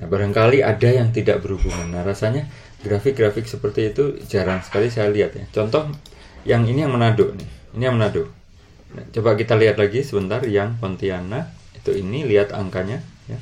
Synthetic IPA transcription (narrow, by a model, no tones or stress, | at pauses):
nahbaɾaŋkaliʔadajaŋt̪ida̰ʔbərhubuŋanːarasaɲa | ɡɾafɪk̚ɡɾafɪk̚səpərt̪iːt̪ud͡ʒaɾansə̥kalisajaliɦat̪̚ja̰t͡ʃɔnt̪ɔh | jaŋinijaŋmənadʊʔnɪhinijaŋmənadʊʔ | na̰t͡ʃobaʔkit̪aliɦat̪laɡisəbənt̪arjaŋpɔnt̪iana | it̪uiniliɦat̪a̰ŋkaɲaja